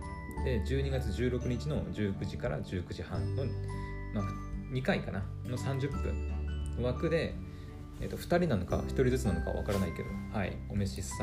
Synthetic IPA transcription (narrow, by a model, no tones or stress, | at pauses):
d̪̥e̞d͡ʑɨːɲ̟iɡat͡sɨʑɨːɾo̞kɯ̟ɲ̟it͡ɕino̞d͡ʑɨːkɯ̟ʑikaɾa̰d͡ʑɨːkɯ̟ʑihãnno̞ | ma | ɲ̟ikaikanakonosãɲ̟d͡ʑɨpːɯ̰̃ɴβakɯ̟d̪e̞ | ḛt̪oɸɯ̟̥t̪aɾʲinano̞ka̰çʲi̥t̪o̞ɾʲizɨt͡sɨnano̞ka̰βa̰kaɾanaike̞d̪ohaḭ | o̞meɕisã